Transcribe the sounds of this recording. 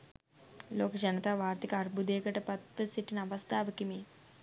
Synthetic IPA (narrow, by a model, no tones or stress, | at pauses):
loːkɐd͡ʒɐnɐt̪aːʋʱaːɾt̪ikɐɐɾbʱud̪eːɡɐʈɐpɐt̪ːɐsiʈːinɐʋɐst̪ʰaːʋɐkimiː